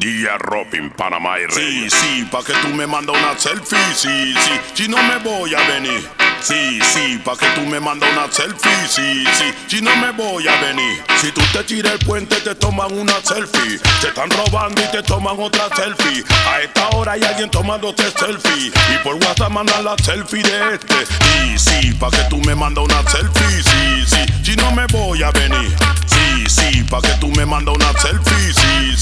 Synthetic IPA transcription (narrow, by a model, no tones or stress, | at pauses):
d̪ia̰ropḭmpa̰na̰ma̰jresipaket̪umemãnd̪aunaselfisisisinõmeβojaβeniɾsisipaket̪umemãnd̪aunaselfisisisinomeβojaβeniɾsit̪ut̪et̪iɾeelpwent̪et̪et̪omaŋunaselfit̪e̞ht̪anro̞βãnd̪oit̪et̪o̞maŋot̪ɾaselfiaest̪ao̞ɾajalɣjent̪o̞maðoseselfiipoɾɡwat̪amãnd̪anlaselfiðeest̪esisipaket̪umemãnd̪aunaselfisisisinõmeβojaβeniɾ | si | sipaket̪umemãnd̪aunaselfisi